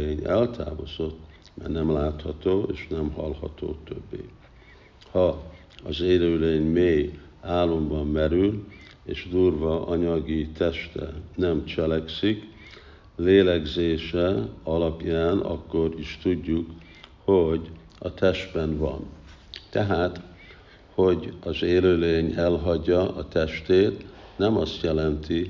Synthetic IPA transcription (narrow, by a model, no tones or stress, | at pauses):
eːɲɛlt̪ʰa̰ːvo̰zo̞t̪ː | mɛ̰rnɛmlaːt̪hɒt̪oːʔeːʃnɛmɦɒlhɒ̰t̪o̰ːt̪ø̰bːḛː | hɒ | ɒzeːɾøːleːɲmeːj | aːlːo̞mbɒmːɛɾyl | ḛːʃd̪uːrvɒʔɒɲɒɡit̪ɛʃt̪ɛ̰nɛmt͡ʃɛlɛksik | leːlɛɡzeːʃɛɒlɒpjaːnʔɒ̰kːo̞ɾiʃt̪uɟːuk | ho̞ɟ | ɒt̪ɛʃt̪bɛnvɒ̰n | t̪ɛɦaːt̪ | ho̞ɟɒzeːløːleːɲɛlɦɒɟːɒʔɒt̪ɛʃt̪eːt̪nɛmɒst̪jɛlɛnt̪i